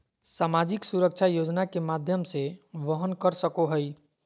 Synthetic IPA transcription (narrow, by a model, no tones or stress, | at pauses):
samad͡ʒɪksuɾək̚t͡ʃʰajod͡ʒnakemad̪ʱjəmseʋəɦənkəɾsəkoɦəj